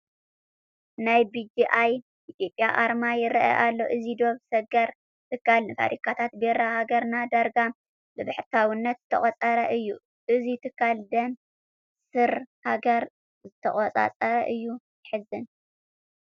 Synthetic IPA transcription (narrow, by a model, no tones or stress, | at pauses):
najbid͡ʒiʔaj | ʔit̪ʰjo̞pʼjaʔʼaɾmajɪɾɐʔa̰ʔalːo̞ʔɨzid̪o̞βsɐɡɐɾ | t̪ʰɨkːalnɨt̪ʰa̰ɾʔikʰat̪ʰat̪beɾahaɡɐɾnad̪aɾɡa | nɨbɨħt̪ʰawɪnːɐt̪z̥ɨt̪ʰɐχʼɐt͡sʼɐɾɐʔɨjːu | ʔɨzit̪ʰɨkːald̪ɐn | sɨɾhaɡɐɾ | zɨt̪ʰɐχʼɐt͡sʼa̰t͡sʼɐɾɐʔɨjːujɪħɨzɨn